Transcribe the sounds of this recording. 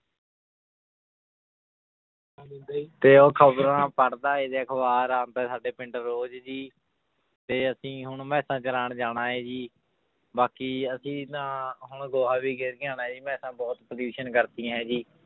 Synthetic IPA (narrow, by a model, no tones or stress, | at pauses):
d̪t̪eːoːkʰəbɾãːpəɽd̪aːeːd̪eːkʰʋaːɾaːnt̪eːsaːɖeːpɪ̃ɳʈəɾːoːd͡ʒd͡ʒiː | t̪eːəsĩːɦʊɳmɛ̃ːsãːt͡ʃəlaːɳd͡ʒaːnaːɦɛːd͡ʒiː | baːkiːəsĩːt̪ãːɦʊɳɡoːɦaːbiːɡɪɾɡjãːnaːd͡ʒiːmɛːsãːbɔːt̪pɾjuːʃənkəɾt̪iãɦɛ̃ːd͡ʒiː